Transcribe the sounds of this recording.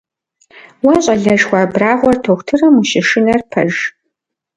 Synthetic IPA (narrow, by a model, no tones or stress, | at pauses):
wɐɕʼɐɮɐʒxʷaːbraːʁʷɔrtʰoxʷtʰɨrɨmuʃɪʂɪnɐrpʰɐ̰ʒ